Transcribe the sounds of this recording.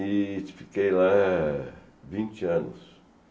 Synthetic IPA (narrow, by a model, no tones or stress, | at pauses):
ɪt͡ʃfi̥kejla | vĩnt͡ʃɪɐ̃nʊ̰s